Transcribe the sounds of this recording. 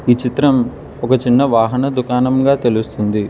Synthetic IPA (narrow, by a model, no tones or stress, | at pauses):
iːt͡ʃit̪ɾɐm | ɔkɐt͡ʃinːɐʋaːɦɐnɐd̪ukaːnɐmɡaːt̪e̞lust̪und̪i